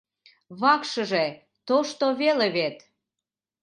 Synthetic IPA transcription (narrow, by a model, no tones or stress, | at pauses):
βɑkʃəʒe | t̪oʃt̪oβeleβet̪